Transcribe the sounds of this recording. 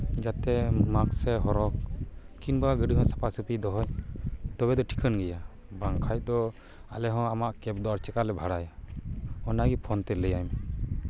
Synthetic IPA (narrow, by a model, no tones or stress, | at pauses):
d͡ʒat̪ɛmaksɛɦɔɾɔk̚kinbaaɡəɖiɦɔ̃sḁpʰasupid̪ɔɦɔɲt̪ɔbɛd̪ɔʈʰi̥kənɡɛja | baŋkʰajd̪ɔ | alɛɦɔ̃amaʔkɛp̚d̪ɔaɾt͡ʃɛkalɛbʱaɽaja | ɔnaɡipʰɔnt̪ɛləjajm